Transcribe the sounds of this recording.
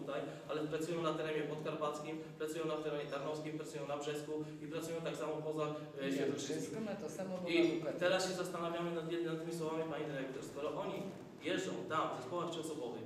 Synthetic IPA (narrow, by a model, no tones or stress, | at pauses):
ut̪aj | alɛpɾat̪sujɔ̃w̃nat̪ɛɾɛmʲjɛpɔt̪kaɾpat̪skʲimpɾat̪sujɔ̃w̃nat̪ɛɾɛmʲɛt̪aɾnɔfskʲimpɾat̪ujɔ̃w̃nabʐɛsku | ipɾat̪sujɔ̃w̃t̪aksamɔpɔza | ʃɛd̪uʂsɔnat̪ɔsamɔbit̪ɛɾasɕɛzast̪anavʲjamɘnat̪ɛnat̪ːɘmʲiswɔvamʲipaɲid̪ɘɾɛk̚t̪ɔɾskɔɾɔʔɔɲi | jɛzɔ̃w̃t̪amd̪ɛspɔwaxtt͡ʃiɔsɔbɔvɛ̰